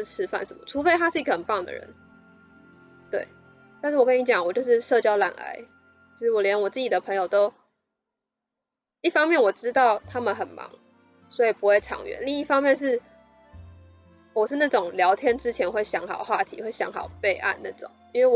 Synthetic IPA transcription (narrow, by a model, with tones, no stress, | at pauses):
ʈ͡ʂʰɻ̩˥fa̰˥˩nʂə˧˦nmə̰˨ʈ͡ʂʰu˧˥fe˧˥ɪa˥ʂɻ̩˥˩i˧˥ɡə˩ə˨˩npɑ˥˩ŋd̪ə̰˨ɻə̰˧˦n | t̪wḛ˥˩ɪ | t̪a˥˧nʂɻ̩˥˩wɔ˨˩kə˦˥ni˧˥t͡ɕjɑ˨˩ŋwɔ˨˩t͡ɕjo˥˧ʊʂ̬ɻ̩˥˧ʂɤ˥˧t͡ɕjɑ˥ʊla̰˨˩na̰˧˥ɪ | i˧˩ʂɻ̩˥˩wɔ˨˩ljɛ˧˥nwɔ˨˩t͡sɹ̩˥˩t͡ɕi˨˩d̪ə˩pʰɤ˧˥ŋjo˨˩ʊt̪o˥ʊ | i˥˩fɑ˥ŋmjɛ˥˩nwɔ˨˩ʈ͡ʂɻ̩˥t̪ɑ˥˩ʊt̪ʰa˥mə˨nxə˨˩nmɑ̰˧˥ŋ | swɔ˧˥i˨˩pu˧˥xwe˥˩ɪʈ͡ʂʰɑ̰˨˩˦ŋɥɛ̰˧˦nli˥˧ŋi˥˩fɑ˥ŋmjɛ˥˧nʂ̬ɻ̩˥˩ | wɔ˨˩ʂɻ̩˥˧na˥˩ʈ͡ʂʊ˨˩ŋljɑ˧˥ʊt̪ʰjɛ˥nʈ͡ʂɻ̩˥t͡ɕʰjɛ˧˥nxwe˥˩ɪɕjɑ˧˥ŋxɑ˨˩ʊxwa̰˥˨t̪ʰḭ˧˥xwe˥˩ɪɕjɑ̰˧˥ŋxɑ˨˩ʊpe˥˧ɪʔa̰˥˧nna˥˩ʈ͡ʂʊ̰˨˩˦ŋi˥nwe˥˩ɪw